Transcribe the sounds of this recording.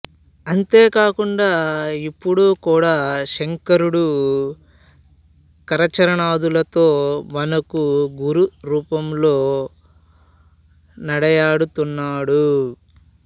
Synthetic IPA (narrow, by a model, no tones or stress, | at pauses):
ɐnt̪eːkaːkuɳɖaːipːuɽukuːɽaːʃeŋkɐɾuɽu | kɐɾɐt͡ʃɐɾɐɳaːd̪ulɐt̪o̞ːmɐnɐkuɡuɾuɾuːpɐmlo̞ː | nɐɽɐjaːɽut̪unːaːɽu